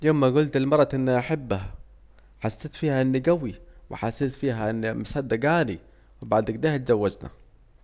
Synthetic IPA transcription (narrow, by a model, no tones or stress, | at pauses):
jamːaɡʊlt̪ɪlmɑɾˤːɑt̪ʔɪnːiʔaħɪbːaha | ħasːeːt̪fiːhaʔɪnːiɡawiwɪ̰ħasːeːt̪fiːɦaʔɪnːimasaːd̪ːaɡaːni | wɪbaʕd̪ɪɡd̪eːhat̪zawːad͡ʒna̰